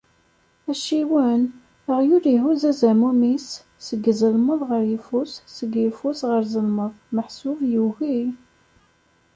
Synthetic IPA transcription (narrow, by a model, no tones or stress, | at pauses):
æʃiwən | əʁjuɾiɦuzæzæmumisː | əɡzəlməðˤʁəɾjifusːəɡifusʁəɾzəlməðˤməħsuvjəʝi